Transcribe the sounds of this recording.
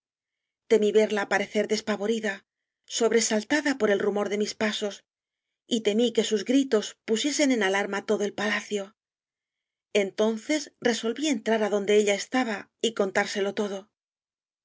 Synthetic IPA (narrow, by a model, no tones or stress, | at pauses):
t̪e̞miβe̞ɾlaːpaɾe̞θe̞ɾðe̞spaβo̞ɾiða | so̞βɾe̞salt̪aðapo̞ɾe̞lrumo̞ɾðe̞mispaso̞s | it̪e̞mike̞suzɡɾit̪o̞spusje̞se̞nenalaɾmat̪o̞ðo̞e̞lpalaθjo̞ | e̞nt̪o̞nθe̞sre̞so̞lβie̞nt̪ɾaɾaðo̞nd̪e̞eʎaest̪aβaiko̞nt̪aɾse̞lo̞t̪o̞ðo̞